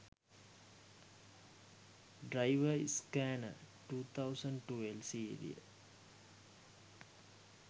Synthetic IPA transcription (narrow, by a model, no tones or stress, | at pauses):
ɖɾajʋəḭskæːnə̰ʈuːt̪ʰawsəɳɖʈuelsiːɾḭə̰